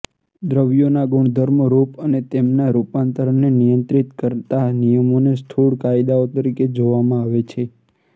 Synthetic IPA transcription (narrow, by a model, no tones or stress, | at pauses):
d̪ɾəʋjonaɡuɳ̃d̪ʱəɾmɾupənet̪emnaɾupant̪əɾəɳːenijənt̪ɾit̪kəɾt̪anijəmonest̪ʰuɽkaid̪aot̪əɾiked͡ʒoʋamãaʋet͡ʃʰe